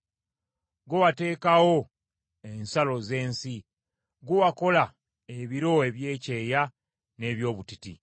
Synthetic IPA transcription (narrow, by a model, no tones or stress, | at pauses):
ɡowate̞ːkawo̞ | e̞nsalo̞ze̞ːnsi | ɡuwako̞la | eβiɾo̞e̞βje̞ːce̞ːja | ne̞βjo̞ːβutitḭ